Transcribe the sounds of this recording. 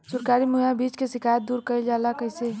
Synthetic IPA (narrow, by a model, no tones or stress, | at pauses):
sʊɾkaːɾimujabiːt͡ʃkesɪkʰajət̪̚d̪uːɾkəɪd͡ʒaːlakəɦɪse